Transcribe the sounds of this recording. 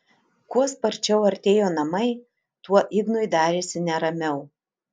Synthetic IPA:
kuɔspɐɾʲt͡ʃʲɛʊɐɾʲt̪ʲeːjoːnɐmɐɪ | t̪uɔʔɪɡnoɪd̪ɑːɾʲeːsʲɪnʲɛɾɐmʲɛʊ

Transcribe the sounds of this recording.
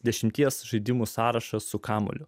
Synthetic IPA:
d̪ʲɛʃʲɪmʲt̪ʲiɛsʒɐɪd̪ʲɪmuːsɑːɾɐʃɐsʊkɑːmo̰lʲʊ

